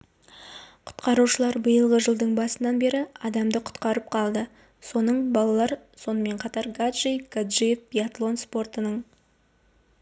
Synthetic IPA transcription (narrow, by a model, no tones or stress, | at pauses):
qʰʊ̥t̪qɑɾuʃəlˠɑɾbəjəlˠʁəʒəlˠd̪əɴbɑsənɑnbe̞ɾɪɑd̪ɑmd̪əqʰʊ̥t̪qɑɾəp̚qʰɑlˠd̪ə | so̞nəɴbɑlˠɑlˠɑɾ | so̞nəme̞ɴqʰɑt̪ɑɾɡad̪ʒijkad̪ʒifpʲijat̪lˠo̞nspo̞rt̪ənəɴ